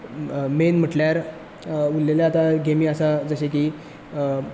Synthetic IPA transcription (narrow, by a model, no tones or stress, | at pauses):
menm̤əʈljaɾ | ulːeljaːt̪aɡemiːəsad͡zəɕekiː